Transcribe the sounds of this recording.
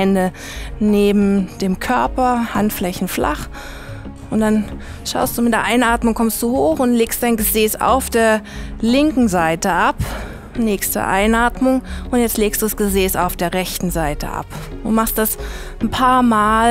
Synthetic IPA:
ɛndə | neːbm̩d̥eːmkʰœɐpɐhantflɛçn̩fla̰χ | ʔʊntd̥an | ʃa̰ʊstd̥uːmɪt̚d̥eːɐʔaɪnʔaːtmʊŋkʰɔmst̚d̥uːhoːxʊntleːkst̚d̥aɪnɡəzeːsa̰ʊfd̥eːɐlɪŋkŋ̩zaɪtəʔap | nɛːksd̥ə̰ʔa̰ɪnʔaːtmʊŋʊntjɛt͡stleːkstd̥uːdasɡ̥əzeːsa̰ʊfd̥eːɐʁɛçtn̩zaɪtə̰ʔa̰pʊntmaχstd̥asn̩pʰaːɐmaːl

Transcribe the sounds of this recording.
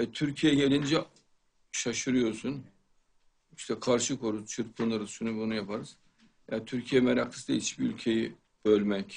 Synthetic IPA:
ɛt̪ʰyɾcʰijɛɟelʲind͡ʒɛ | ʃaʃɯɾɯjo̞ɾsun | iʃt̪ʰɛkʰaɾʃɯkʰo̞ɾuzt͡ʃʰɯɾpʰunˠaɾɯzʃynybunujapaɾɯz̥ | jaɾt̪ʰyɾcʰijɛmeɾak̪ʰɯ̥sɯd̪ait͡ʃbiylʲcʰe̞ji | b̥ølʲmɛc

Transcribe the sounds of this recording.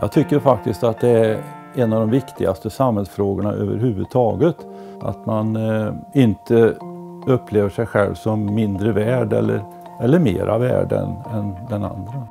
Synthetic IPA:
jɑ̰t̪ʰʏkːəɾfak̚t̪ɪst̪at̪̚d̪ɛæ | ɛnːɑvd̪ɔmvɪkt̪ʰɪɡast̪əsamhɛlsfɾoːɡəɳa̰ʔø̰ːvə̰ɾɦʉ̟ːvɵ̰d̪̚t̪ʰɑːɡət̪ | ʔa̰t̪manɪnt̪ʰə | ɵpʰːleːvəʂɛjɧɛlvsɔmːɪnd̪ɾəvæːɖɛ̰lːəɾ | ɛlːəɾmḛːɾʔa̰væ̰ːɖə̰nɛnd̪ɛna̰nd̪ɾə

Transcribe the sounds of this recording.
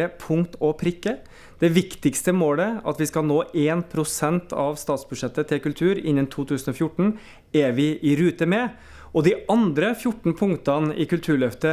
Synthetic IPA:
əpʰʊŋt̪ɔpʰɾɪkːə | d̪̥ɛʋɪkt̪ɪkst̪əmoːləɑ̰t̪ʋɪskɑlnoːʔeːnpʰɾʊsɛnt̪ʰɑʋst̪ɑːt̪sbʉd̪ʂɛt̪ːət̪ʰɪlkʉlt̪ʰʉːɾɪnːənt̪ʰuːt̪ʰʉːsən̩ɔfjʊʈːɳ̩ | ɛʋɪʔɪɾʉːt̪əmɛ | ɔd̪ɪɑnd̪ɾəfjʊʈːn̩pʰʊŋt̪ɑnɪ̰kʉlt̪ʰʉːɭœft̪ə

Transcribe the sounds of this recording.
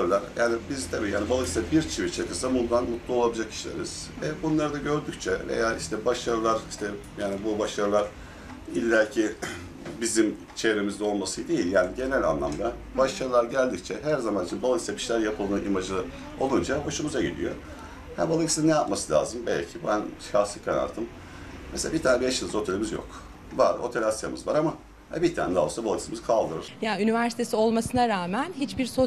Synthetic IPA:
ɾɯlˠaɾjaːnibizt̪ʰabiːjaːnʲibalˠaɡisɛbiɾt͡ʃʰivit͡ʃʰakɯsabund̪anmut̪lˠuo̞lˠabd͡ʒakʰi̥ʃlʲeɾiz̥vɛbunlˠaɾɯd̪aɟø̞ɾd̪yct͡ʃʰɛvḛjaːiʃt̪ʰɛbaʃaɾɯlˠaɾiʃt̪ʰɛ | jaːnibubaʃaɾɯlˠaɾ̥ | ilʲːæɾcʰi | bizim | t͡ʃʰe̞ɾe̞mizd̪ɛo̞lˠmasɯjd̪e̞jilʲjaːniɟe̞nælʲa̰nlˠa̰md̪a | baʃaɾɯlˠaɾɟælʲd̪ic̚t͡ʃʰɛɦæɾzamanit͡ʃʰinbalˠaksɛbʰiʃlʲæɾjapʰɯlˠd̪ɯːnʔimad͡ʒlˠɯ | o̞̰lˠund͡ʒaboʃumuzaɟid̪ʲḭjo̞̰ | hæbalˠaksinːejapmasɯlʲa̰ːzɯmbɛ̰lʲcʰibænʃaxsˠɯkʰɛ̰na̰ɾt̪ʰɯm | meselʲabit̪ʰaːnɛbieʃɯlˠzo̞t̪ʰelʲimizjo̰k | vaɾot̪ʰe̞lʲasja̰mɯ̰zvaɾama | hɛ̰bit̪ʰa̰ːnɛd̪aːosabalˠaksimizkʰalˠd̪ɯɾɯɾ̥jaynivæɾsi̥t̪ʰe̞sio̞lˠmasɯnaɾaːmænhit͡ʃbiɾso

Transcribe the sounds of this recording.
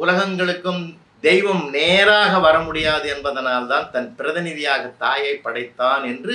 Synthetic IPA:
ʊlɐɣɐŋɡɐɭɯkːɯm | d̪ɛjʋɐmneːɾaːɣɐʋɐɾɐmʊɽɪjaːðɯɛnbɐðɐnaːlt̪aːnt̪ɐnpɪɾɐðɪnɪðɪjaːɣɐt̪ːaːjɐɪpːɐɽɐɪt̪ːaːnɛndrɯ

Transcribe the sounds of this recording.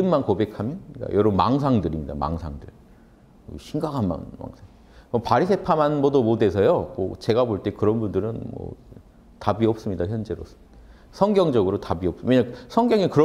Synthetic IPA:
ɯmmankobe̞kʰamjʌnɯɲik͈a̰jʔʌɾoma̰ŋs̬ʰaŋdɯɾimɲida̰ma̰ŋsʰaŋdɯɭ | ɕʰiŋɡakʰanma̰nma̰ŋsʰaŋ | mʌpaɾisʰe̞pʰamanbʌdomode̞sʰʌjomo̰t͡ɕe̞ɡaboɭt͈e̞kɯɾʌnbundɯɾɯnmʌ̰ | tabiʌp̚s͈ɯmɲidaçjʌnd͡ʑe̞ɾo̰s͈ɯida | sʰʌŋɡjʌŋd͡ʑʌɡɯɾotabiʌp̚sweɲasʰʌŋɡjʌŋikɯɾʌ

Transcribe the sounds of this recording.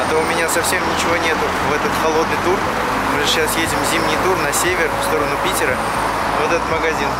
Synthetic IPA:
ɐt̪oʊmʲɪnʲasɐfsʲemnʲɪt͡ɕɪvo̞nʲet̪ʊ | vɛt̪ət̪xɐlˠo̞d̪nɨjt̪ur | mɨʐɨɕasjedʲɪmzʲimnʲɪjt̪urnɐsʲevʲɪrfst̪o̞ɾənʊpʲitʲɪɾə | vot̪ɛt̪ət̪məɡɐzʲin

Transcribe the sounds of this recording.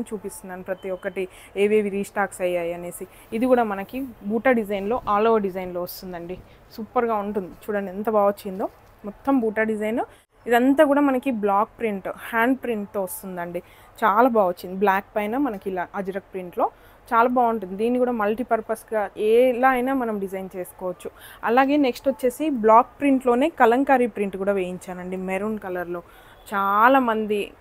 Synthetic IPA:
nt͡ʃuːpist̪unaːnipɾɐt̪iɔkːɐʈi | eːʋeːʋiɾiːsʈaːksɐjːaːjiɐne̞ːsiː | d̪ikuːɽaːmɐnɐkibuːʈaːɖid͡ʒɐjnlo̞ːʔaːloːʋɐɖid͡ʒɐjnlo̞ːʋɐst̪und̪ɐɳɖi | suːpɐɾɡaːuɳʈund̪it͡ʃuːɽɐnɐnt̪ɐbaːʋot͡ʃːind̪oː | mɔt̪ːɐmbuːʈaːɖid͡ʒɐjno | id̪ɐnt̪aːkuːɽaːmɐnɐkiblaːk̚pɾiɳʈhaːɳɖpɾiɳʈ̚t̪oːʋɐst̪und̪ɐɳɖi | t͡ʃaːlaːbaːot͡ʃːind̪iblaːk̚pɐjnɐːmɐnɐkilaːʔɐd͡ʒɐɾɐk̚pɾiɳʈlo̞ː | t͡ʃaːlaːbaːuɳʈund̪id̪iːnːikuːɽaːmɐlʈipɐɾpɐɾsɡaːeːlaːɐjnaːmɐnɐmɖid͡ʒɐjnt͡ʃe̞ːsu̥kɔːʋɐt͡ʃːuɐ̰laːɡe̞ːneksʈʋɐt͡ʃːe̞ːsiblaːk̚pɾiɳʈlo̞ːne̞ːkɐlɐŋkaːɾipɾiɳʈkuːɽaːʋeːjiɲt͡ʃaːnɐɳɖimeɾunkɐlɐɾlo̞ː | t͡ʃaːlaːmɐnd̪i

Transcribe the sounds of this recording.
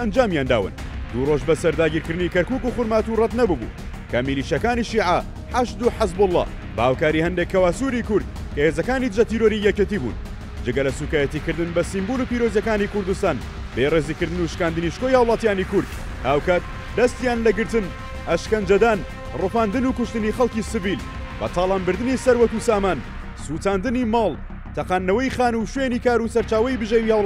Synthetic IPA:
ʔɐnd͡ʒaːmjaːnd̪a̰ːwɨ̰n | d̪uroʒbɐsɐɾd̪aːɡiːɾkɨɾd̪ɨnikɐɾkuːkuxʊɾmaːt̪urɐt̪nɐbubṵ | kʰɐmiliːʃijɐkaːniʃiːʕa | ħaʃd̪uħɪzbʊlˠːɑ̰ | bɐhaːwkaːɾihɐnd̪ekʰːɐwaːsuɾikʊɾd̪̚ | kɐhezɐkaːnid̪ɨʒɐt̪iːɾoɾijɛcet̪iːbṵːn | d͡ʒɨɡɐlɐsuːkaːjɛt̪iːkɨɾd̪ɨnbɐsimbuːluːpiːɾozjɐkaːnikʊɾd̪ust̪aːn | beːreːzikɨɾd̪ɨnuʃkaːnd̪ɨniʃkojhaːwlˠɑːt̪jaːnikʊɾd̪̚ | haːwkaːt̪̚ | d̪ɐst̪jaːnlɐɡɨɾt̪ɨn | ɐʃkɐnd͡ʒɐd̪aːn | rufaːnd̪ɨnukʊʃt̪ɨnixɐlˠkisɨviːl | bɐ̰t̪ʰɑːlˠaːmbɨɾd̪ɨnisɐɾwɐkusaːmaːn | suːt̪aːnd̪ɨnimɑːlˠ | t̪ʰɐqaːnːɐwɐjxaːnuʃwenikaːɾusɐɾt͡ʃaːwɐjbɨʒewihaw

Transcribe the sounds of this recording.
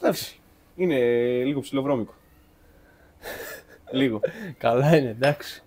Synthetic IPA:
d̪ɐksi̥ | ine̞liɣo̞psilovɾo̞miko̥ | liɣo̞kɐlɐine̞d̪ɐksi̥

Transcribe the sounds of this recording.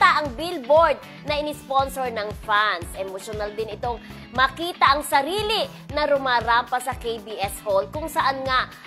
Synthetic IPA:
t̪ɐʔɐŋbilboɹd̪̚ | nɐʔɪnɪsponsoɹnɐŋfansʔɛmoʃonald̪ɪnɪt̪o̞ŋ | mɐkiːt̪ɐʔɐŋsɐɾiːlɪ | nɐɾʊmaːɾampɐsɐkejbiʔɛsholkʊŋsɐʔanŋaʔ

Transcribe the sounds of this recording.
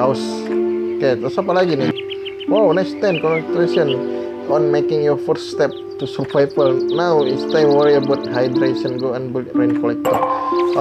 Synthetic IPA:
aws | ket̪asap̬alaɡinɪ | wawnast̪ãmkɔ̃nst̪ɾesən | ɔ̃nmekɪ̃ŋjɔfəsːt̪ɛp̚t̪usufajpəlnawist̪ãjmwəɹiəbawt̪̚ɦajdɾeʃənɡoãnbilɾenkɔlɛk̚tɔ

